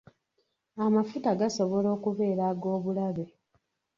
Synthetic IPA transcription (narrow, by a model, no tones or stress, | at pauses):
amafutaɡaso̞βo̞lo̞ːkuβe̞ːɾaːɡo̞ːβulaβe̞